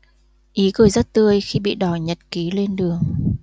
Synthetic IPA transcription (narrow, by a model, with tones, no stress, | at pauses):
ʔi˨˦kɨ˧˩jzə˦˥t̚t̪ɨ˧əjxi˧ɓḭ˧˨ɗɔ˧˩ɲə˨˩t̚ki˨˦le˧nɗɨ˨˩əŋ